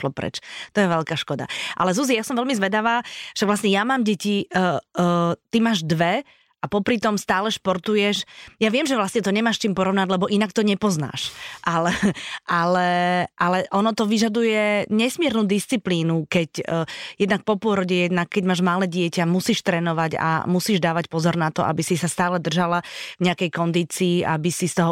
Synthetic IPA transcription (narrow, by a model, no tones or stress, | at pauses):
lɔpɾɛ̰t͡ʃt̪ɔjɛʋɛlkaːʃkɔd̪a̰ʔa̰lɛzuzijasɔmʋɛlmizʋɛd̪aʋaːfʃaɡʋlasɲɛjamaːmɟɛciə | t̪imaːʒd̪ʋɛ | ʔapɔpɾit̪ɔmst̪aːlɛʃpɔɾt̪ujɛʃjaʋɪɛmʒɛʋlasɲɛt̪ɔɲɛmaːʃt͡ʃiːmpɔɾɔʋnaɟlɛbɔʔinak̚t̪ɔɲɛpɔzna̰ːʃʔalɛʔalɛʔalɛʔɔnɔt̪ɔʋiʒad̪ujɛɲɛsmɪɛɾnuːd̪ist͡sipliːnukɛcːjɛd̪nak̚pɔpʊɔɾɔɟɛjɛd̪̚nakːɛɟmaːʒmalɛːɟɪɛcamusiːʃt̪ɾɛːnɔʋaɟa̰musiːʒd̪aːʋacpɔzɔɾnat̪ɔʔa̰bisisast̪aːlɛd̪r̩ʒalavɲɛakɛjkɔnd̪iːt͡siːʔabisist̪ɔɦɔ